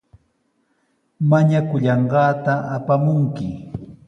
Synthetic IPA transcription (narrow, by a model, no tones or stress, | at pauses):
maɲakʊʎɑɴɢɑːt̪aʔapamʊŋkɪ